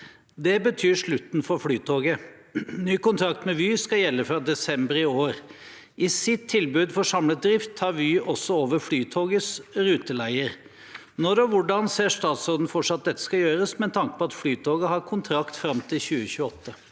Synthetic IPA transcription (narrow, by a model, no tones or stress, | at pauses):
d̪ɛbət̪ʰyːɾʂɭʉt̪n̩fɔɾflyːt̪ʰoːɡə | nyːkʊnt̪ʰɾɑk̚t̪mɛʋyːskɑjɛlːəfɾɑd̪ɛsɛmbəɾɪoːɾ | ʔɪsɪt̪ʰːɪlbʉːd̪fɔʂɑmlət̪̚d̪ɾɪft̪ʰhɑːɾʋyːɔsɔoːʋəɾflyːt̪ʰoːɡəsɾʉːt̪əlæɪəɾ | nɔɾɔʋʊɖɑnseːʂt̪ɑːt̪soːd̪n̩fɔʈʂɑt̪̚d̪ɛt̪ːə̥skɑjøːɾəsmɛnt̪ʰɑŋkə̥pʰɔɑt̪flyːt̪ʰoːɡəhɑɾkʰʊnt̪ʰɾɑkt̪fɾɑmt̪ʰɪlçʉːəçʉːəɔt̪ʰːə